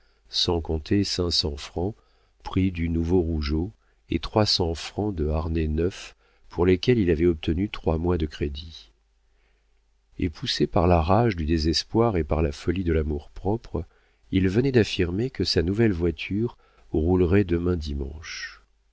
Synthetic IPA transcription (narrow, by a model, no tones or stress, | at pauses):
sɑ̃kɔ̃t̪ʰesɛ̃sɑ̃fχɑ̃ | pχid̪ynuvoʁuʒo | ḛt̪χwasɑ̃fχɑ̃d̪əaʁnenœf | pʰuʁlekʲɛlilavɛɔp̚t̪ənyt̪χwamwad̪əkχed̪i | ḛpʰusepaʁlaʁaʒd̪yd̪ezɛspwaʁepaʁlafɔlid̪əlamuʁpχɔpχ | ilvənɛd̪afiʁmekəsanuvɛlvwat̪ʰyʁ | ʁulʁɛd̪əmɛ̃d̪imɑ̰̃ʃ